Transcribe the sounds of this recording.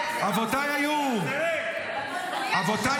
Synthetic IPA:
avɔt̪ajaju | avɔt̪a

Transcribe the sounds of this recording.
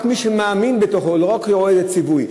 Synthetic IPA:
kmiʃemaːminbet̪o̞χoleʁokoedet͡sivuj

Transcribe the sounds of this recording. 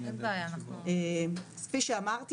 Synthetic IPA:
zeajanaχesfiʃeamaʁt̪

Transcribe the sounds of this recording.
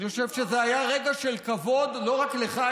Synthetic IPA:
χoʃevʃezeajaʁe̞ɡaʃelkavo̞d̪lo̞ʁakleχa

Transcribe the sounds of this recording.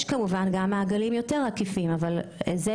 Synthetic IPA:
ʃkamuvanɡamːaːɡalimjo̞te̞ʁakifimavalze

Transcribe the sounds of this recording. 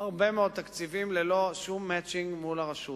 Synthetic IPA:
haʁbe̞meo̞d̪̚t̪akt͡sivimlelo̞ʃumːɛt͡ʃiŋɡmulaʁaʃut

